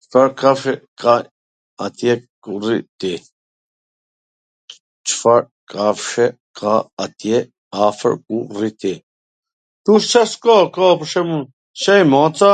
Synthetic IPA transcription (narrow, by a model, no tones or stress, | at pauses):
t͡ʃfaɾkafʃɛkʰa | at̪jɛkurḭt̪i | t͡ʃə̥faɾ | kʰafʃɛ | kʰaat̪jɛ | afə̰ɾkurit̪i | t̪uʃt͡ʃaskɔkɔpəʃɛmun | ʃɛjmɔt͡sa